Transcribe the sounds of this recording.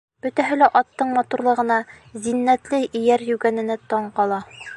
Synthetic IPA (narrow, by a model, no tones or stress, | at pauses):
b̥ɵ̆t̪æɦɘ̆læʔɒt̪ːɤɴmɒt̪uɾlˠɤ̆ʁɤ̆nɑ | zinːæt̪lɘʔijæɾjʉɡænɘ̆nɘt̪ɒɴqɒlˠɑ